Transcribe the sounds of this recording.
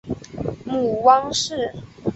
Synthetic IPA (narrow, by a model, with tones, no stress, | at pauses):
mu˨˩wɑ˥ŋʂɻ̩˥˩˨